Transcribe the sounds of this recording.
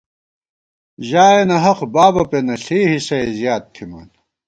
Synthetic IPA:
ʑaːenɐɦɐqbaːbɐpenɐɬiːɦisɐezjaːt̪̚t̪ʰːima̰ːn

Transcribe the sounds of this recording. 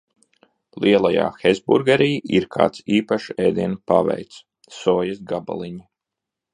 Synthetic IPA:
lˠiɛlˠaja̰ːxɛzbṵɾɡaɾiːiɾkʰa̰ːt̪siːpaʃɛːd̪iɛnpavɛ̰jt̪s | sɔːjɐsɡaba̰lˠiɲi

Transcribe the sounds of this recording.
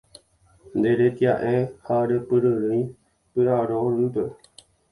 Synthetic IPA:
nd̪eɾet̪jaʔẽhaɾepɨɾəɾɨĩ | pɨɾaɾoɾɨpe

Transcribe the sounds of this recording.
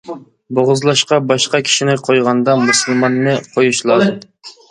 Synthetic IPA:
boʁʊzlˠɑʃqɑbɑʃqɑkʲʰi̥ʃinɪqʰojʁɑnd̪ɑmusɨlˠmɑnːɨqʰojuʃlˠɑd̪ɨ

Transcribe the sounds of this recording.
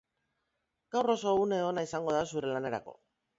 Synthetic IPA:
ɡ̥awro̞so̞une̞o̞naisaŋɡo̞ðasuɾe̞lane̞ɾa̰ko̞̰

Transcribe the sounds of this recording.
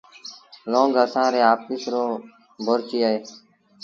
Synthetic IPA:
lõːŋɡəsãːɾeːaːp̚ːisɾoː | bʱoɾt͡ʃiːaeː

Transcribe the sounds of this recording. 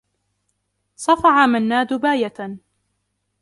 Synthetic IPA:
sˤɑfɑʕamanːaːd̪ʊbaːjat̪a

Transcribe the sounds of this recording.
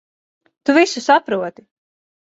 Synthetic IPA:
t̪uvisusapɾuɔt̪i

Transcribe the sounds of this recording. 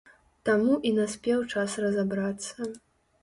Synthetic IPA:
t̪amuʔinasʲpʲɛwt͡ʂasrɐzabɾat̪sːɐ

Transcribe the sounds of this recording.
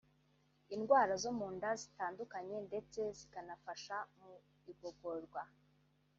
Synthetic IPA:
inɡwaːɾazo̞muːndazitaːndukaɲe̞nde̞t͡se̞zikanafaʃamu | iɡoɡoɾɡwa

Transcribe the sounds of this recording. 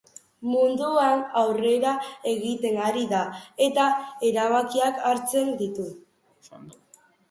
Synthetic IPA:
mund̪uanawre̞ɾae̞ɣit̪e̞ŋaɾiðae̞t̪ae̞ɾaβ̞akiakaɾt͡se̞nd̪it̪u

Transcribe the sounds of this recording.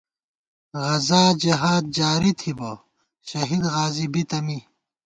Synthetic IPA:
ɣɐzaːd͡ʑɐɦaːd̪̚d͡ʑaːɾit̪ʰibo | ɕɐɦid̪ɣaːzibit̪ɐmi

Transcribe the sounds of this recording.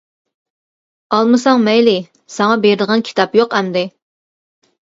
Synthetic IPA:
ɑlˠmɨsɑŋmɛjlɪ | sɑŋɑbeɾɪd̪əʁɑnkʲʰi̥t̪ʰɑpjoqɛmd̪ɪ

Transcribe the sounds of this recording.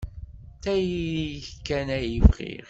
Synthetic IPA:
θæjijəçkːænæjəvʁḭʁ

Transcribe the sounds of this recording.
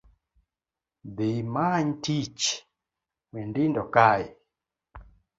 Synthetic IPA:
ðemaɲtit͡ʃ | wɛndindɔkai

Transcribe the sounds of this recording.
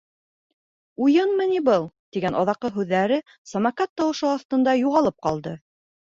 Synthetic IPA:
ujɤnmɤ̆nibɤlˠt̪iɡænʔɑðɑqːɤɦʉðːæɾɘ | sɐmɑkɑt̪ːɑwɤ̆ʃɤɑθt̪ɤ̆nd̪ɑjuʁɑlˠɤp̚qɑlˠd̪ɤ

